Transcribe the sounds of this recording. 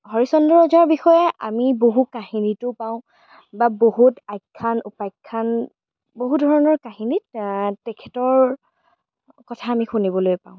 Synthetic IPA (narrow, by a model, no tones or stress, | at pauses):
hɔɹisɔndɔɹɔzaɹbixɔjɛʔa̰miboɦukahinitʊpaʊ̃ | babohutajkʰːanupajkʰːan | boɦudʱɔɹɔnɔɹkaɦinittɛkʰɛtɔɹ | kɔtʰaːmixunibɔlojpa̰ʊ̃